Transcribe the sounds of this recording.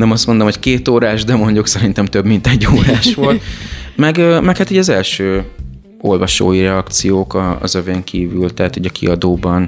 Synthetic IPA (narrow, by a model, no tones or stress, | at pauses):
nɛmɒst̪mo̞nd̪omho̞ckeːt̪oːɾaːʒd̪ɛmo̞ɲɟuksɛɾint̪ɛmt̪øbmint̪ɛɟːoːɾaːʃʋo̞lt̪mɛɡømɛkhat̪iːɟɒzɛlʃøː | o̞̰lvɒʃo̰ːjiɾɛɒkt̪sijoːkɒ̰ːzøveŋkʰiːvylt̪ɛɦaːt̪huɟɒkḭɒd̪oːbɒn